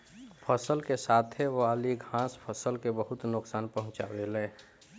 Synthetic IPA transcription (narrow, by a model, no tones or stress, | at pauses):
pʰəsəlkesaːt̪ʰeʋaːliɡʱãːspʰəsəlkebəɦʊt̪nʊksaːnpəɦʊ̃t͡ʃa̰welɛ̃ː